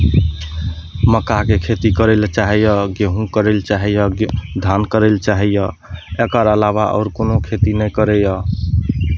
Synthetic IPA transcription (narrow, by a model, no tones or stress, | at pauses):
məkaɦkekʰet̪ikəɾelt͡ʃaɦɛjəɡeɦũkəɾelt͡ʃaɦɛjəd̪ʱankəɾelt͡ʃaɦɛjə | ekəɾəlabaʔɔ̰ːɾkonokʰet̪inəjkəɾɛjə